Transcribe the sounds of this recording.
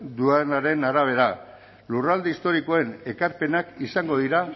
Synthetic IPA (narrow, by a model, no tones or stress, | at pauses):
d̪uanaɾe̞naɾaβ̞e̞ɾa | lurald̪eist̪o̞ɾiko̞e̞ne̞kaɾpe̞nakisaŋɡo̞ð̞iɾa